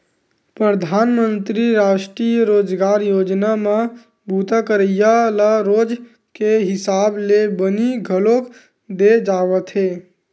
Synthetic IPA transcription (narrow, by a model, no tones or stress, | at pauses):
pɾəd̪ʱaːnmə̃nt̪ɾiɾaːʃʈɾijəɾoːd͡ʒɡaːɾjoːd͡ʒnamã | bʱuːt̪əkəɾəjaləɾoːd͡ʒ | keɦɪsaːblebəniɡʱəlok | d̪ed͡ʒaːʋət̪ʰɦeː